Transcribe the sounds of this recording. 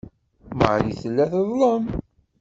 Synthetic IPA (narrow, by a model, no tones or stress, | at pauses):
mə̰ʕliθəlːæθəðˤlˤəm